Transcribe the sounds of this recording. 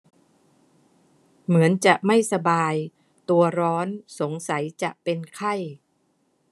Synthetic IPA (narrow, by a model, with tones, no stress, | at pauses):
mɯ˩˦ənt͡ɕa˨˩ʔma˥˩jsa˧baː˧j | t̪u˧ɐɾɔː˦˥nso˩˦ŋsa˩˦jt͡ɕa˨˩ʔpe˧nkʰa˥˩j